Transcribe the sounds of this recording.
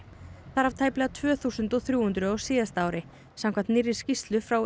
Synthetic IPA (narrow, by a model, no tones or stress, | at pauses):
θaðɾhav̥t̪ʰaːjplɛːɣat̪ʰvœːθuːsʏnt̪ɔwθɾjuːhʏnt̪ɾʏawsiːðast̪aaːwɾɪ | samkʰamnt̪nɪrːɪ̥scist̪lʏfɾaw